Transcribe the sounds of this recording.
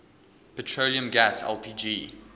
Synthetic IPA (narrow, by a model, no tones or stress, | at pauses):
pətʰɹoʊliə̃mɡæsɛ̰lˠpʰiːd͡ʒi